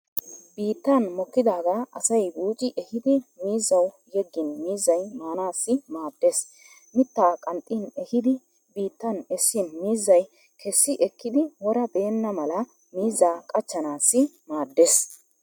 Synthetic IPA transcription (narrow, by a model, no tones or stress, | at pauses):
biːt̪ːɐnmɔkːɪd̪aːɡaːʔɐsɐjbuːt͡ʃʼɪʔɛhɪd̪ɪmiːzːɐw | jɛɡːɪnmiːzːɐjmaːnaːsːɪmaːd̪ːeːs | mɪt̪ːaːkʼɐnt̪ʼːinɛhɪd̪ɪ | biːt̪ːɐnɛsːɪnmiːzːɐj | kʰɛsːɪʔɛkːɪd̪ɪwɔɾɐbe̞ːnːɐmɐlɐ | miːzːaːkʼɐt͡ʃːɐnaːsːɪmaːd̪ːes